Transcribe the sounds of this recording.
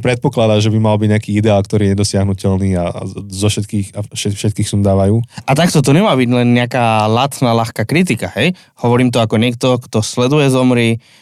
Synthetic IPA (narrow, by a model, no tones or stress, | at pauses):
pɾɛt̪̚pɔklad̪aːʒɛbimalbiɟɲakiːid̪ɛaːlkt̪ɔɾiːjɛɲɛd̪ɔsɪaɦnucɛlniːa̰zɔʃɛt̪kiːxaʃɛfʃɛt̪kiːxsuːnd̪aːʋajuːʔat̪akt̪ɔt̪̬ɔɲɛmaːbiɟlɛnɲɛakaːlat̪nalaxkaːkɾit̪̬ikahɛj | hɔʋɔɾiːmt̪̬ɔakɔɲɪɛk̚t̪ɔkt̪ɔslɛd̪ujɛzɔmɾiː